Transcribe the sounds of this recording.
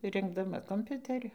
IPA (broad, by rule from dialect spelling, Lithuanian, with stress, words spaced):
ˈrʲɪŋɡdɐmɐ koːmʲˈpʲʊtʲɛrʲʊ